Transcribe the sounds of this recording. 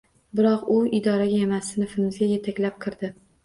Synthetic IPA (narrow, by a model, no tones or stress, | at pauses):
bɪɾɒqʊɪd̪ɒɾaɡʲaemasɪnɪfɪnɪzɡʲaje̞t̪ʰakʲlap̚kʲʰɨɾd̪ɪ